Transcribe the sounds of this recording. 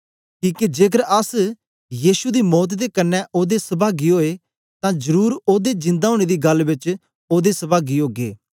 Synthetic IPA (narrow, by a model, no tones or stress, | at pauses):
kiːkid͡ʒeːkəɾəs | jiːʃud̪iːmɔːt̪̬d̪ekənːɛʔoːd̪esəbaːɡiɦoːe | t̪ãːd͡ʒəɾuːɾoːd̪ed͡ʒɪ̃nd̪aoːɽ̃ed̪iːɡɐlbɪt͡ʃ | oːd̪esəbaːɡiɦoːɡḛː